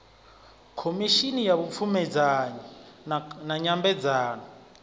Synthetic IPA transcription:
kʰomiʃinijaβup̪fʰumɛd͡zaɲa | naɲambɛd͡zaːnɔ

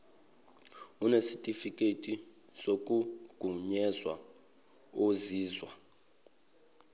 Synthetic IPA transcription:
unesitʼifikʼetʼi | sok̬ʼuɡ̥ʱuɲɛzwa̰ | oziːzwa

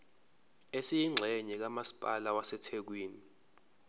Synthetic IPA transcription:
esijiŋ͡ǁʱɛɲɛk̬amasi̥pʼalawasɛtʰek̬wiːni

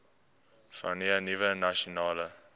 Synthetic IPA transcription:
fa̰niənivənaʃonɑːlə

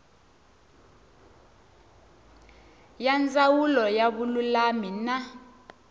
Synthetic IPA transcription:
jand͡zawulɔjaɓululamina

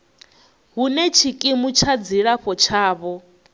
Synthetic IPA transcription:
ɦunɛt͡ʃʰikʼimut͡ʃʰad͡ziɺaɸɔt͡ʃʰaːβɔ

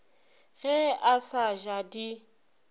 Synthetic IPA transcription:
ɣɛasaʒadi

